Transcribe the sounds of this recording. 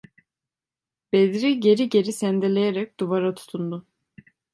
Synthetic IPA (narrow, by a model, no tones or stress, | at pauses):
b̥ed̪ɾiɟe̞ɾiɟe̞ɾisænd̪elʲe̞jeɾɛc̚d̪̥uvaɾat̪ʰu̥t̪ʰund̪ʊ